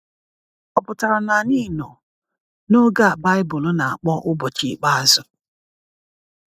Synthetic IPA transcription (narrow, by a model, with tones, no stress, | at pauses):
ɔ˨pʊ˨ta˨ɾa˨na˨ni˦˨nɔ̰˨ | no˦ɡa˦a˨ba˦ɪ˦bʊ˨lʊ˦na˨a˨k͡pɔ˦ʔʊ˦bɔ˨t͡ʃi˨˦k͡pa˦a˨zʊ˦